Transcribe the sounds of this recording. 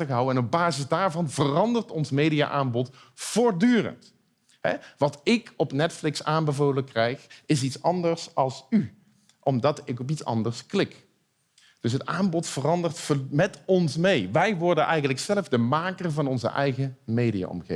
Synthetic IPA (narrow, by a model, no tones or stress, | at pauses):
əɣɦʌwəɛnɔb̚baːzɪzdaːɹvɑnvərɑndəɹtɔnsmejdia̰ʔaːmbɔt | fʊːɹdyːrə̰nt | ɦɛ̰ʋɑtɪkɔpnɛtflɪksaːmbəvoːləkrɛjχɪs̬itsɑndəɹsɑlˠsy | ʔɔmdɑtɪkɔp̬itsɑ̰ndəɹsklɪk | d̥ɵsɦətaːmbɔtfərɑndərtfəmɛtɔnsmejʋɛjʋɔɹdənʔɛ̰jɣəntləksɛləvdəmaːkərvɑnɔnzə̰ʔɛ̰jɣəmejdija̰ːʔɔ̰mɣḛː